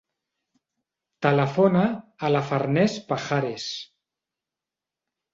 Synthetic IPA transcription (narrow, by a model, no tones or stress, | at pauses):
t̪alafonaːlafaɾnespaxaɾes